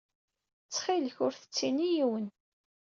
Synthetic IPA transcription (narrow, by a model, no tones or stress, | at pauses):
t͡sːχiləçʊɾθə̥t͡sːinijiwən